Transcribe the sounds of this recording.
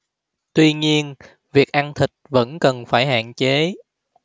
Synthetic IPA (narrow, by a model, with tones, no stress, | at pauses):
t̪wi˧ɲi˧ən | vi˨˩ək̚ʔa˧nt̪ʰï˨˩k̟̚və̰˧˥nkə˨˩nfaː˧˩jɦa̰ː˧˨nt͡ɕe˨˦